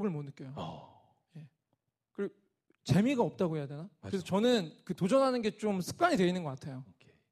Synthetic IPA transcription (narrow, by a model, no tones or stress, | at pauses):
ɡɯɭmonɯk͈jojo | je̞ | kɯɾ | t͡ɕe̞miɡaʌp̚t͈aɡoɦejadwenakɯɾesʰʌt͡ɕʌnɯnkɯtod͡ʑʌnɦanɯnɡe̞t͡ɕomsʰɯ̥k̚k͈aɲidwe̞inɯnɡʌk͈atʰe̞jo